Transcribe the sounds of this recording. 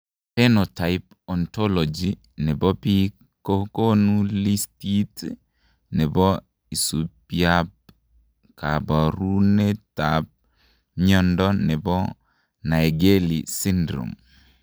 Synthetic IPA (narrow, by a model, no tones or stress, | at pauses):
pɛnɔtaɪp̚ | ɔntɔlɔd͡ʒi | nɛbɔpi | kokonulistit | nɛbɔ | isupiap̚ | kabaɾunɛtap̚ | ɲɔndɔnɛbɔ | naɛɡelisindɾṵm